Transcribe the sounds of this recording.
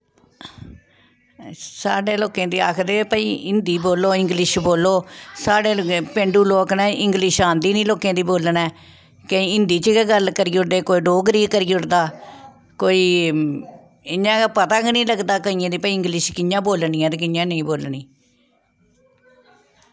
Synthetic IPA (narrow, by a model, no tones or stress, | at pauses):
saːɖeːloːkẽːd̪iːa̰ːkʰd̪eːpəḭːɪnd̪iːboːlːoːɪ̃ŋɡlɪʃboːloːsaːɖeːpẽːɳɖuːloːknɛ̃ːʔɪ̃ŋɡlɪʃãːnd̪iːnĩːloːkẽːd̪iːboːlnɛː | kəĩːɪnd̪iːt͡ʃəɡɡəlkəɾiːʊɽd̪eːkoːiːɖoːɡɾiːkəɾiːʊʈd̪aː | koːiː | ɪɲãːpət̪ãːknĩːləɡd̪aːkəĩːãːd̪iːpəiɪ̃ŋɡlɪʃkɪjãːboːlniːɛ̃ːt̪ekɪjãːnəĩːboːlniː